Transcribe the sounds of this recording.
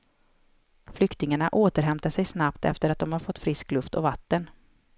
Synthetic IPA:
flʏkt̪ɪŋaɳaʔoːt̪əɾɦɛmt̪aʂɛjsnapt̪ɛ̰ft̪əɾat̪̚d̪ɔmhaɾfɔt̪ːfɾɪsklɵft̪ɔvat̪ːən

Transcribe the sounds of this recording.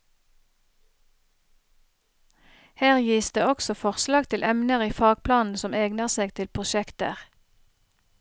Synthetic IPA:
hæːʁjiːsd̪ḛːɔksɔfɔʁslɑːɡt̪ʰɪlʔɛmnəʁiːfɑːɡ̚pʰlɑːnn̩sɔmeːɡnəʁseːɡt̪ʰɪlpʰʁʊʃɛkt̪ə̰ʁ

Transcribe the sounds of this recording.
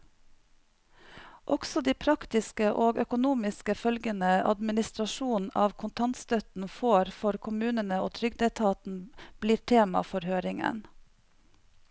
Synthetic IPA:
ʔɔɡ̥sɔd̪iːpʰɾɑkt̪ɪskəʔoːɡœkʊnuːmɪskəfœlɡənəʔɑ̰d̪mɪnɪst̪ɾɑʃuːnn̩ɑːʋkʰʊnt̪ʰɑnt̪st̪œt̪n̩foːɾfɔɾkʰʊmʉːnənəoːt̪ʰɾʏɡd̪ɛt̪ʰɑːt̪n̩b̥liːɾʈʰeːmɑ̰fɔɾhøːɾɪŋə̰n

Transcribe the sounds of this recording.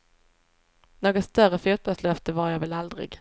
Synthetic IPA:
noːɡɔst̪œɾəfjuːt̪̚bɑlslœft̪əvaɾjavɛlald̪ɾɪ̰ɡ

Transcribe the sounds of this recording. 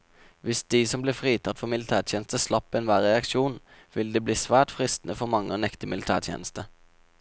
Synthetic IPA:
ʋɪsd̪̥iːsɔmblɪːfʁiːt̪ʰɑt̪fɔʁmɪlɪt̪ʰæːt̪ʰjɛːnəst̪əslɑpːɛnʋæːʁɛɑkʃuːn | ʋɪld̪eːbliːsʋæːʁʈfʁɪst̪nəfɔmɑŋːəoːnɛkt̪əmɪlɪt̪ʰæ̰ːʁt̪ʰjḛːnəst̪ə

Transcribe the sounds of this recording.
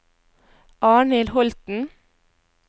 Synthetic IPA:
ʔɑːɳɪlhɔlt̪n̩

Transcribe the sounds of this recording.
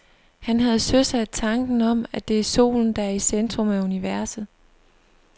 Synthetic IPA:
hænɦæð̞̩ˠsøsæd̥̚t͡sʰɑ̈ŋɡ̥n̩ɒ̽m̰æd̥e̝æɐso̝̰ːln̩d̥ɑ̈æɐisend̥ʁɔ̽mæuniʋæɐsð̩ˠ

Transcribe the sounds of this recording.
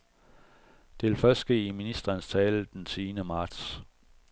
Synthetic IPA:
d̥e̝ʋe̝lfɶɐsd̥ɡ̥e̝̰ːiminisd̥ʁɐːnst͡sʰɛːləd̥ensʰiːnəmɑ̈ːd̥s

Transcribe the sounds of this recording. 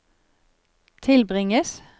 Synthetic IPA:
t̪ʰɪlbʁɪŋəs

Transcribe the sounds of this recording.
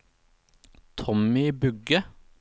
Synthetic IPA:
t̪ʰɔmɪbʉɡə

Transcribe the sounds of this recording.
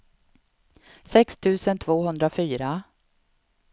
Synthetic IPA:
sɛkst̪ʰʉ̟ːsənt̪ʰv̥oːɦɵnd̪ɾafyːɾa

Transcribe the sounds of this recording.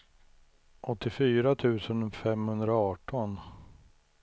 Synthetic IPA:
ʔɔt̪ːɪfyːɾat̪ʰʉ̟ːsənfɛmhɵnd̪ɾaɑːʈɔn

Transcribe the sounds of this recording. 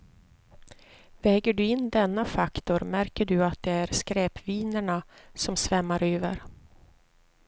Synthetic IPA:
vɛːɡəɖɵɪnːd̪ɛnːafakt̪ʊɾmæɾkəɖɵat̪̚d̪ɛæɾskɾɛːpviːnəɳasɔmsvɛmːaɾøːvəɾ

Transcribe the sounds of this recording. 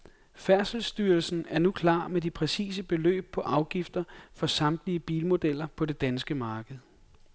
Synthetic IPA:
fæɐsl̩sd̥yːɐlsn̩æɐnukʰlɑ̰̈ːmed̥ipʰʁɛsḭːs̬əb̥e̝lø̰ːb̥̚pʰɒ̽ʔɑ̈ʊɡ̥ifd̥ɐfɒ̽sɑ̈md̥liəb̥iːlmo̝d̥el̰ɐpʰɒ̽de̝d̥ænsɡ̥əmɑ̈ːɡ̥əð̞̩ˠ

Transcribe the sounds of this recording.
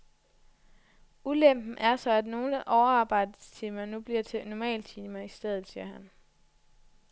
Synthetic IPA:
ulem̰b̥n̩ʔæɐsɒ̽æd̥no̝ːləʔɒʊɐɑ̈ːb̥ɑ̈ɪ̰d̥əst͡sʰiːmɐnub̥liɐ̰t͡sʰe̝nɒmɛ̰ːlt͡sʰiːmɐisd̥eð̞ˠð̩ˠsiːɐɦæn

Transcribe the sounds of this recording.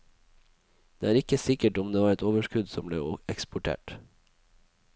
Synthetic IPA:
d̪̥eːæːɾɪkəsɪkəʈɔmd̪eːʋɑːɾɛt̪oːʋəʃkʉd̪sɔmblḛːɛkspʊʈʰḛːʈ

